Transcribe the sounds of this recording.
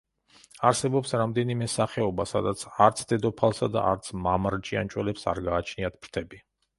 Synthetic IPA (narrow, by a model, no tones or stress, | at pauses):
aɾsɛbɔpsɾamd̪ɛnimɛsaχɛɔbasa̰d̪at̪sʰaɾt̪sʰd̪ɛd̪ɔpʰalˠsad̪a̰ʔa̰ɾt̪sʰmamɾt͡ʃʼiant͡ʃʼwɛlɛpsa̰ɾɡaːt͡ʃʰniat̪̚ʰpʰɾt̪ʰɛbi